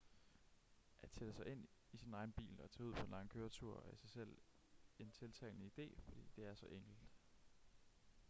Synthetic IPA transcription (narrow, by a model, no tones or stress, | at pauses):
ʔæ̥sʰed̥əsɑ̈ɪʔe̝n̰isinɑ̈ɪn̩b̥ḭːlɒ̽æt͡sʰɛːuð̰ˠpʰɒ̥̽enlɑ̈ŋəkʰøːɐt͡sʰuɐ̰æsɑ̈ɪsel̰ | e̝nt͡sʰe̝lt͡sʰɛ̰ːlnəid̥e̝̰ːfɒ̽d̥ḭːd̥e̝æɐsɒ̽ʔeŋ̰ɡ̥l̩d̥